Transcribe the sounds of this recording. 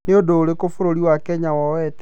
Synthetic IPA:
neodoːɾekofoɾoɾiwakɛɲawɔwɛtɛ

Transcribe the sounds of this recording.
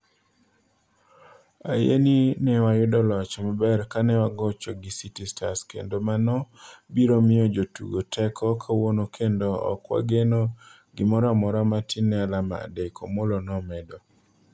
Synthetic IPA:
ajeninɛwajʊdɔlɔt͡ʃɔmabɛrkanɛwaɡɔt͡ʃɔɡɪsitistaskḛndomanɔbiɾomɪjɔd͡ʒotṵɡotʰɛkʰɔkʰawonokʰendoɔ̰kwa̰ɡeno | ɡɪmɔɾamɔɾamatʰinɛlama̰dekʰɔ̰molonɔmɛdɔ

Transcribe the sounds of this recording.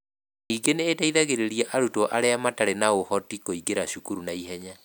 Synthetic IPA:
niːɡeneːdaiðaɣeɾeɾiɛʔaɾutoʔa̰ɾeamataɾenaohɔtikoiɡeɾaɕukuɾunaiɦɛɲa

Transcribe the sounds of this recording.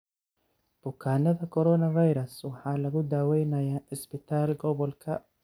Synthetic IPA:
b̥ʊkʰaːnɐðɐkʰɔɾɔnɐvajɾɐswɑħɑːlɐɣʊd̪aːwɛjnɐjaːħɪsbɪt̪ʰaːlɡɔβɔlkʰɐ

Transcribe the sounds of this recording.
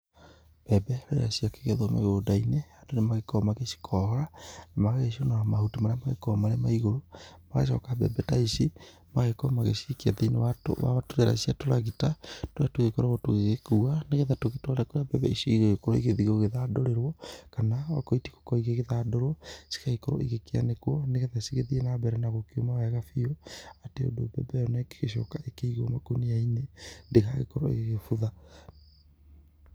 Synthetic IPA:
b̥ɛbɛɾɛɾaʃiake̥ɣɛðwama̰odainɛadonemaɣekɔmaɣeʃi̥kʰɔhɔɾanamaɣaɣeʃiɔnaamahutimaɾeamaɣḛkɔmaɾemaiɣoɾomaɣa̰ʃ̬ɔkabɛ̰bɛtaisi | maɣekɔmaɣeʃiikiaðinewato̰wa̰atoɾɛɾa̰ʃiatoɾaɣitatoatoɣekɔɾaɣɔtoɣeɣekuaneɣɛðatoɣetwaɾɛkoɾjabɛbɛiʃoiɣɔɣekɔɾɔiɣeðiɣɔɣeðadoɾeɾwɔkanaakɔiti̥ko̥kɔiɣeɣeðadɔɾɔsi̥kaɣekɔɾɔ̰ʔeɣekea̰nekwɔneɣɛðasiɣeðiɛnabɛɾɛnaɣokeomawaɣafiɔateo̰dobɛ̰bɛjɔnɔɛke̥ɣeʃ̬ɔ̰kaʔekeiɣɔmakoniainendeɣaɣḛkɔɾɔḛɣeɣefuða

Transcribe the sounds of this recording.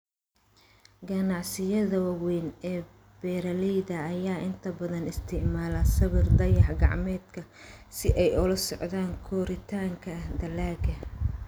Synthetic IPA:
ɡɐnɑʕsɪjɐðɐwɑwɛjnɛː | b̥ɛːɾɐlɛjðɐːjaːʔɪnt̪ʰɐbɐðɐnɪst̪ʰɪʕmaːlɐsɐβɪrd̪ɐjɑħɡɑ̰ʕmɛːd̪kʰɐsɪʔɛjʊlɐsɔʕðaːŋkʰɔːɾɪt̪ʰaːŋkʰɐd̪ɐlaːɡɐ

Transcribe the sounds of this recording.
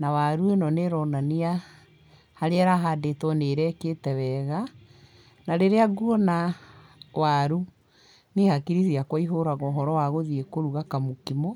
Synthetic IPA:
nawaɾuenɔneɾɔnania | haɾeaɾaɦadetwɔneɾɛketɛwɛːɣa | naɾeɾeaɡuɔna | waɾu | nehakiɾiθiakwaiɦoɾaɣɔːɦɔɾɔwaɣoðiekoɾuɣakamokimɔ

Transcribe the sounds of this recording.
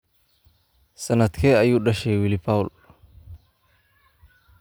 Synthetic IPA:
sɐnɐt̪kʰeajuɗɐʃɛwilipawʊl

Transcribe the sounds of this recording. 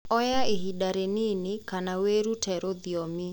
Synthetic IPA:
ɔjaeɦidaɾeninekanaweɾutʰɛɾoðjomi

